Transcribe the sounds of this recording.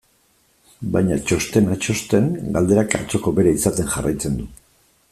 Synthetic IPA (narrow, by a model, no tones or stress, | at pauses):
bajɲat͡ʃo̞st̪e̞nat͡ʃo̞st̪e̞ŋɡald̪e̞ɾaka̰t͡so̞ko̞be̞ɾaisat̪e̞nʝara̰jt͡se̞nd̪u